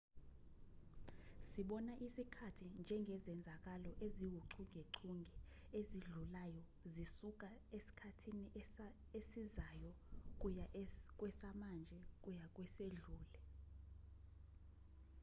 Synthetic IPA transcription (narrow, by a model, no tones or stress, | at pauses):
siɓɔnaʔisikʰatʰind͡ʒʱɛŋɡʱɛzɛnd͡zʱak̬ʼalɔʔeziwuǀʰuŋɡʱeǀʰuŋɡʱɛ | eziɮulajɔ | zisuk̬ʼaesi̥kʰatʰiniʔ | esizaːjɔ | k̬ʼuk̬ʼwɛsamand͡ʒʱɛk̬ʼujak̬ʼwɛseɮuːlɛ